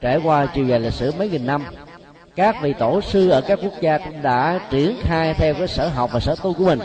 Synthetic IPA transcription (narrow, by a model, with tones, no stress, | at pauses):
t͡ɕe˧˩kwaː˧t͡ɕi˨˩wve˨˩li˨˩k̚sɨ̰˧˩mə˨˦jŋi˨˩nːa˧m | kaː˦˥k̚vḭ˨˩t̪o˧˩sɨ˧ʔəː˧˩kaː˦˥kːu˦˥ək̚zaː˧kʊ̰˧˥ŋ͡mɗa̰ː˧˥t͡ɕi˧˩ənxaː˧jt̪ʰɛ˧wkaː˨˦jsəː˧˩ɦa˨˩wk͡p̚vaː˨˩səː˧˩t̪u˧ku˧˩əmï˨˩ŋ